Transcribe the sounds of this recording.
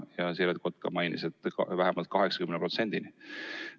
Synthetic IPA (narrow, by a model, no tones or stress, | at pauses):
jɑselet̪̚ko̞t̪̚ːˑkɑmɑjniset̪ːvæɦemɑlt̪̚kɑɦe̞ksɑ̥kymnepɾro̞t̪se̞nʲd̪̥ini